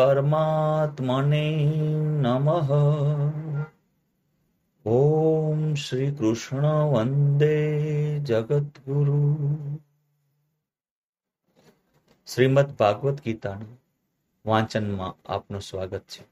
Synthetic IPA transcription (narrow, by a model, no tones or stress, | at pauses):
pəɾmat̪məne | nəməɦə | omʃɾikɾʊʃɳ̃əʋənd̪ed͡ʒəɡət̪ɡuɾu | ʃɾimət̪ʰbʱaːɡʋət̪ɡit̪aːn | ʋãt͡ʃənmã̰a̰pnũsʋaɡət̪̚t͡ʃʰe̥